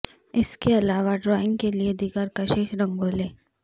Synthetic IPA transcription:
ɪskeɐlaːʋaɖɾɔːɪ̃ŋɡkelied̪iːɡəɾkɐʃeːʃɾɐ̃ŋɡoːleː

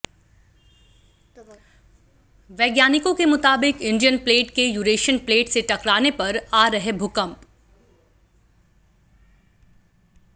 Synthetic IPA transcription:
ʋɛːɡjaːnɪkõkemʊt̪aːbɪkɪ̃ɳɖijənpleːʈkejuːɾeːʃənpleːʈseʈɐkɾaːnepɐɾaːɾɐɦebʱʊkə̃mp

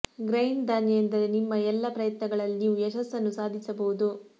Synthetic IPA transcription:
ɡɾɐjnd̪aːnjejend̪ɐɾe̞nimːɐɛlːɐpɾɐjɐt̪nɐɡɐɭɐlniːʋujɛʃɐsːɐnːusaːd̪ʱisɐbɐud̪u

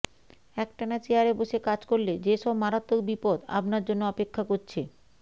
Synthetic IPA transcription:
ɛkʈanat͡ɕeɦaɾeboʃekad͡ʑkoɾled͡ʑeʃɔbmaɾat̪ːokbipod̪a̰pnaɾd͡ʑonːoɔpekʰːakoɾt͡ɕʰe

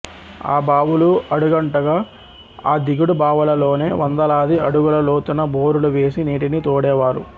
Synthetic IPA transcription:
a̰ːbaːʋuluɐɽuɡɐɳʈɐɡaː | aːd̪iɡuɽubaːʋɐlɐlo̞ːne̞ːʋɐnd̪ɐlaːd̪iɐɽuɡulɐloːt̪unɐboːɾuluʋe̞ːsiniːʈinit̪oːɽɛːʋaːɾṵ

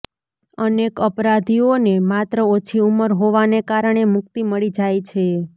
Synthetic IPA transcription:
ənekəpɾad̪ʱionemat̪ɾəot͡ʃʰiuməɾɦoʋanekaɾəɳ̃emʊk̚t̪iməɭid͡ʒajt͡ʃʰe

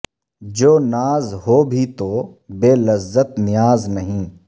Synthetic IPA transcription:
d͡ʒoːnaːzɦoːbʱit̪obeːləzːət̪nɪjaːznɐɦĩː

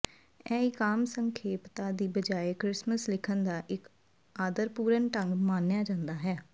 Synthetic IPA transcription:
ɛːɪkaːmsəŋkʰeːpt̪aːd̪iːbəd͡ʒaːeːkɾɪsməslɪkʰənd̪aːʔɪk | aːd̪əɾpuːɾənʈəŋɡmaːnjaːd͡ʒãːnd̪aːɦɛː

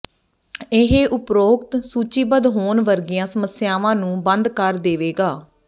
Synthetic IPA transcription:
ɪɦeːʔʊpɾoːkt̪suːt͡ʃiːbəd̪ɦoːnʋəɾɡɪjãːsəməsjaːʋãːnũːbənd̪kəɾd̪eːʋeːɡaː

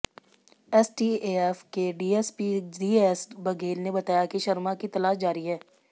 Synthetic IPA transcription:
ɛsʈiːeːɛfkeɖiːɛspiɖiːɛsbɐɡeːlnebɐt̪aːjakiʃɐɾmakit̪ɐlaːʃd͡ʒaːɾiɦɛː

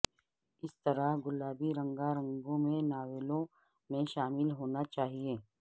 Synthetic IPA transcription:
ɪst̪ɐɾaɡʊlaːbiɾɐ̃ŋɡaɾɐ̃ŋɡõmẽnaːʋeːlõ | mẽʃaːmɪlɦoːnat͡ʃaːɦieː

